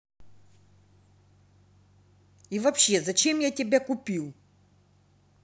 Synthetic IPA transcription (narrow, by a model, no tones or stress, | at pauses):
ivɐpɕːe̞zɐt͡ɕe̞mjatʲɪbʲakʊpʲilˠ